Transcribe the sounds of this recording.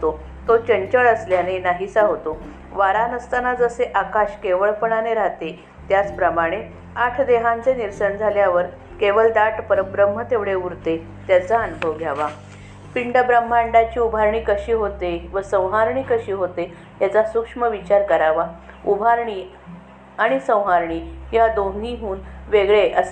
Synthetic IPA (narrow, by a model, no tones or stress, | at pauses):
t̪o | t̪ot͡ɕəɲt͡ɕəɭəsljanenaɦisaɦot̪o | ʋaɾanəst̪anad͡zəseʔakaɕkeʋəɭpəɳaneɾaɦt̪e | t̪jat͡spɾəmaɽ̃e | aʈʰd̪eɦãnt͡seniɾsənd͡zʱaljaʋəɾ | keʋəɭd̪aʈpəɾəbɾəmːət̪eʋɽeuɾt̪e | t̪jat͡saənubʱəʋɡʱjaʋa | piɳɖəbɾəm̤ːaɳɖat͡ɕiːubʱaɾɳiːkəɕiːɦot̪eʋəsə̃w̃ɦaɾɳiːkəɕiːɦot̪e | t̪jat͡sasukʂməʋit͡ɕaɾkəɾaʋa | ubʱaɾɳiː | aɽ̃isə̃w̃ɦaɾɳiːjad̪oniɦuːnʋeɡɭeʔəs